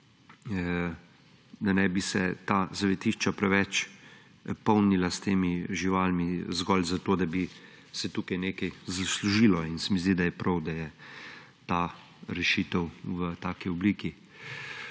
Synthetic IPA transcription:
d̪anɛbisɛt̪aːzaʋɛt̪iʃt͡ʃapɾɛʋɛt͡ʃ | pɔwnilast̪eːmiʒiʋaːlmizɡɔlzat̪oːd̪abi | sɛt̪uːkajneːkajzasluʒiːlɔinsɛmizd̪id̪ajɛpɾʔɐwd̪ajɛ | t̪a | ɾɛʃiːt̪ɛwʋət̪aːkiɔbliːki

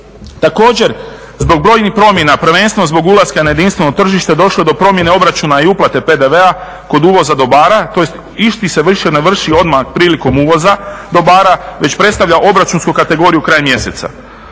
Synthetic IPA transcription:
t̪ako̞ːd͡ʑe̞ɾ | zbo̞ɡ̚bɾo̞ːjnixpɾo̞mje̞napr̩ʋe̞nst̪enozbo̞ɡulˠaskanaje̞d̪inst̪ʋe̞not̪r̩ʒiʃt̪ed̪o̞ʃlˠo̞ed̪o̞pɾo̞mje̞ne̞o̞bɾat͡ʃunaiuplˠat̪e̞pe̞d̪e̞ʋe̞a | ko̞d̪uːʋo̞zad̪o̞baːɾat̪o̞jest̪ | iʃt̪ise̞ʋr̩ʃeneʋr̩ʃio̞d̪maxpɾiːliko̞muːʋo̞zad̪o̞baːɾaʋe̞t͡ɕpɾe̞t̪st̪aʋʎaʔo̞bɾat͡ʃunskukat̪e̞ɡo̞ɾijukɾaːjmje̞se̞̰t̪sa̰

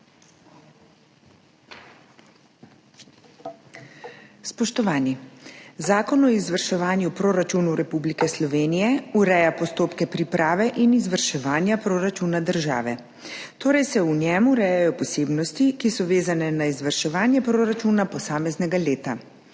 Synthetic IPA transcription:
spɔʃt̪ɔʋaːnizaːkɔnɔizʋəɾʃɛʋaːnjupɾoːɾat͡ʃunuɾɛpublikɛslɔʋeːnijɛuɾɛjapɔst̪oːpkɛpɾipɾʔaːʋɛʔinizʋəɾʃɛʋaːnjapɾoːɾat͡ʃunad̪əɾʒa̰ːʋɛ | t̪oːɾɛjsɛunjɛmuɾɛjajɔpɔseːbnɔst̪ikisɔʋeːzanɛnaizʋəɾʃɛʋaːnjɛpɾoɾat͡ʃunapɔsaːmɛznɛɡaleːt̪a

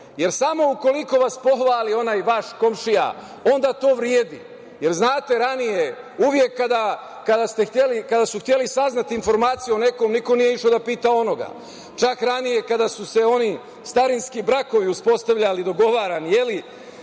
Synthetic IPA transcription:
je̞ɾsamo̞uko̞liko̞ʋaspo̞xʋaːlio̞naːjʋaʃko̞mʃija̰ | o̞nd̪aːt̪o̞ːʋɾjeːd̪ḭ | je̞ɾznaːt̪e̞ɾanije | uːʋje̞kːad̪a | kad̪ast̪e̞xt̪jelikad̪asuxt̪je̞lisaznat̪iiːnfo̞ɾmaːt̪sijuo̞ne̞ko̞mniko̞nijeiʂod̪apiːt̪ao̞no̞ɡa̰ | t͡ʃakɾanije̞kad̪asuse̞o̞ni | st̪aɾinskibɾako̞ʋiuspo̞st̪aʋʎalid̪o̞ɡo̞ʋaːɾanje̞li

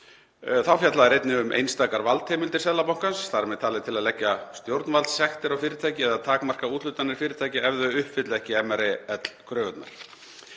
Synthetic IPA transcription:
θawfjat̪laðaɾejt̪nɪʏmʔḛjnst̪aːkaɾvalt̪hɛːmɪlt̪ɪ̥ɾs̬ɛðlapawŋ̥kansθaɾmɛðt̪ʰaːlɪt̪ʰɪlaðlɛcːast̪jowɾt̪nvalsɛxt̪ɪɾawfɪːɾɪt̪ʰaːjcɪɛðaðt̪ʰaːkmar̥kauːt̪lʏt̪anɪɾ̥fɪːɾɪt̪ʰaːjcɪɛvðʏʏhpfɪt̪lɛhcɪɛmɛɾɛɛt̪l̥kʰɾœːɣʏt̪na̰ɾ̥

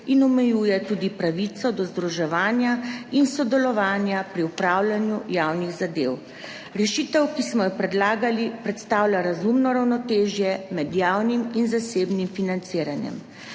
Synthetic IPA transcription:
inɔmɛjuːjɛt̪ud̪ipɾaʋit̪sɔd̪ɔzd̪ɾuʒɛʋaːnjainsɔd̪ɛlɔʋaːnjapɾiupɾaːwlʲanjujawniɣzad̪ew | ɾɛʃit̪ɛwkismɔjɛpɾɛd̪laːɡalipɾɛt̪st̪aːwlʲjʲaɾazumnɔɾawnɔt̪eːʒjɛmɛd̪jaːwniminzaseːbnimfinant̪siːɾanjɛ̰m

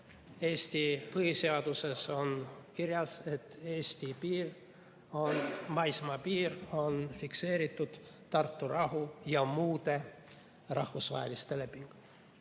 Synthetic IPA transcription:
e̞ːst̪ipɤhise̞ɑd̪̥use̞so̞nkirjɑse̞t̪ːe̞ːst̪ipiːr | o̞nmɑjsmɑpiːro̞nfikse̞ːɾit̪ːˑud̪̥ | t̪ɑrt̪ːˑurʔɑɦujɑmuːd̪̥e̞ | rɑhvusvɑ̰ɦḛlist̪e̞le̞pːˑiŋɡ̥u

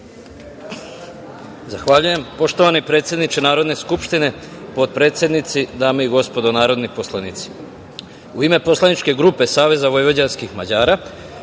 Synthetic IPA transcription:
zaxʋaʎuje̞mpo̞ʃt̪o̞ʋanipɾe̞ːt̪sje̞d̪nit͡ʃenaːɾo̞d̪ne̞skupʃt̪ine̞ | po̞d̪̚pɾe̞ːt̪sje̞d̪nit̪sid̪aːmeiɡo̞spo̞d̪o̞naːɾo̞d̪nipo̞slˠanit̪si̥ | uime̞po̞slanit͡ʃke̞ɡɾupe̞saːʋe̞zaʋo̞jʋo̞d͡ʑanskixmad͡ʑaːɾa

